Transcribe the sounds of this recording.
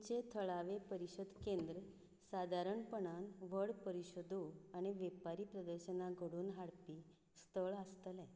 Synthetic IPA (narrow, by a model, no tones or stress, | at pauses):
t͡ɕet̪ʰəɭaʋepəɾiɕəd̪kend̪ɾə | sad̪ʱaɾəɳpəɳ̃anʋəɭpəɾiɕod̪ʱuaɽ̃iʋepaɾiːpɾəd̪əɾɕənaɡʱəɽuːnɦaɽpiː | st̪ʰəɭast̪əlɛ̃